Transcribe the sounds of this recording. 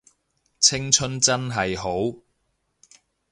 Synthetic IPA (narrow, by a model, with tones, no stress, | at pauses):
t͡sʰɪ˥ŋt͡ʃʰɵ˥nt͡sɐ˥nɦɐ˨jɦo˨˥w